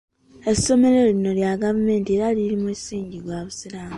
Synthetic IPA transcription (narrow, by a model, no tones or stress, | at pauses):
e̞sso̞me̞ɾolino̞ljaɡavume̞ːntieɾaliɾimusiːɲɟiɡɡaβusiɾaːmu